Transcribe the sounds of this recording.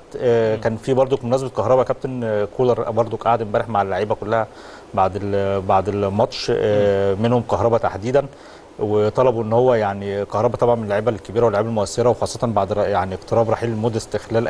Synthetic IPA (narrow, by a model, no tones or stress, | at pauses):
t̪ːkæːnfiːbɑɾˤd̪ˤomonæːzbet̪̚kɑhɾˤɑbækæb̚t̪enkuːlɑɾˤbɑɾˤd̪ˤokʔaʕd̪mbæːɾeħmaʕalːaʕiːbækolːæhæ | baʕd̪baʕd̪emɑt̪ʃ | menhomkɑɦɾˤɑbæt̪aħd̪iːd̪æn | wet̪ˤɑlɑboʔenːhowːæjaʕnikɑhɾˤɑbɑt̪ˤɑbʕɑnmenelːaʕiːbælkːebiːɾæwelːʕiːbælmoʔæsːeɾæwexɑːsˤːɑt̪ɑnbaʕd̪jaʕnieqt̪eɾˤɑːbɾˤɑːħilmoːd̪est̪exlæːlʔ